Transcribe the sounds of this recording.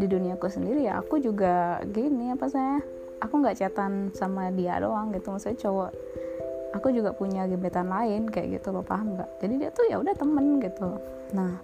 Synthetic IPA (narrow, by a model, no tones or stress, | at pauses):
diduniakusəndiɾijaʔa̰kud͡ʒuɡaɡinɪapas̬aɲa | akuŋɡaʔt͡ʃat̪ansamadia̰do̰aŋɡit̪umasut͡ʃoaʔ | akud͡ʒuɡapuɲaɡəbet̪anlaɪnkaja̰ʔɡḭt̪ulapaambaʔd͡ʒadidiat̪uja̰udaht̪əmənɡit̪u | nah